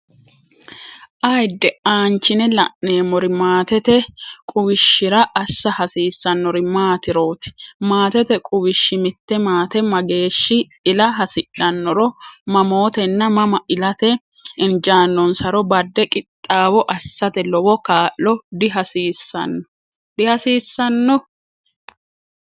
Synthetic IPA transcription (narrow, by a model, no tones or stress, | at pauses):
ʔɐjd̪ːɛaːnt͡ʃːɪnɛlɐ̰ʔne̞ːmɔɾɪmaːt̪ɛt̪ɛkʼʊwɪʃːɪɾɐʔːsːɐhɐsiːsːɐnːɔɾɪmaːt̪ɪɾo̞ːt̪ɪ̥maːt̪ɛt̪ɛkʼʊwɪʃːɪmɪt̪ːɛmaːt̪ɛmɐɡe̞ːʃːɪ | ɪlɐɦɐsɪᶑːɐnːɔɾɔmɐmo̞ːt̪ɛnːɐmɐmɐʔɪlɐt̪ɛ | ɪnd͡ʒaːnːɔnsɐɾɔbɐd̪ːɛkʼɪt̪ʼːaːwɔʔɐsːɐt̪ɛlɔwɔkaːʔlɔd̪ɪɦɐsiːsːɐ̰nːɔ | d̪ɪhɐsiːsːɐnːɔ